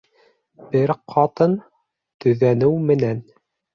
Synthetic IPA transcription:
bɘɾqʰɑt̪ɤn | t̪ɵ̆ðænɘwmɘ̆næn

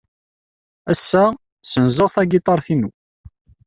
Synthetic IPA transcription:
æsːæ | sənzəʁθæɡit̪ˤɑɾˤθinu

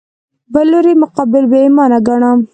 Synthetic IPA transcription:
bɐlːoɾimʊqɑbɪlbemɑːnaɡaɳa

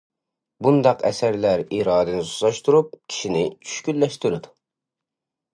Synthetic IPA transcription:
bund̪ɑqɛsæɾlæɾiːɾɑːd̪ɨnɪsu̥slˠɑʃt̪ʰuɾup̚kʲʰi̥ʃinɪt͡ʃʰy̥ʃkʲylːɛʃt̪yɾɪd̪u

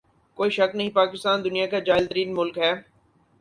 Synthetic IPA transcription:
koːiʃɐknɐɦĩpaːkɪst̪aːnd̪ʊnijakad͡ʒaːɪlt̪əɾiːnmʊlkɦɛː

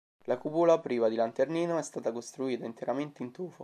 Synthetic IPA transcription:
lakupuːlapɾiːvad̪ilant̪erniːnoɛst̪aːt̪akost̪ɾuiːt̪aint̪eɾament̪eint̪uːfo

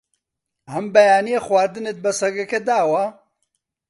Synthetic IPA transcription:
hɐmbɐjaːnijexwaːɾd̪ɨnet̪̚bɐsɐɡɐkɛd̪aːwa

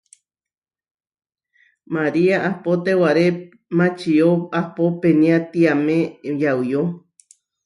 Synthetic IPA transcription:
maɾiaʔahpot̪ewaɾe | mãt͡ʃioahpopenĩat̪iamẽjawjo

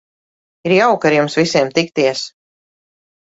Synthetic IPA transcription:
iɾjawkaɾjumsvisʲiɛmt̪ik̚t̪iɛs

